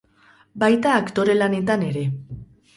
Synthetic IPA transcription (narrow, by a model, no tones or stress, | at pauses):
bajt̪aːkt̪o̞ɾe̞lane̞t̪ane̞ɾe̞